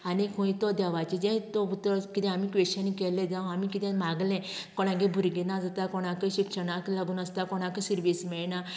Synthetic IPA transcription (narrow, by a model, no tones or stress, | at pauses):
anekʰũit̪ɔd̪aʋat͡ɕed͡ʑɛ̃t̪ɔut̪ɾɔkit̪ɛ̃amikʋeɕanikɛlɛ̃d͡zãamikit̪ɛ̃maɡlɛ̃kɔɽ̃ãɡẽbʱuɾɡenad͡zat̪akɔɽ̃ãkəɕikʂəɽ̃aklaɡuːnəst̪akɔɽ̃akəsiɾʋismɛɭna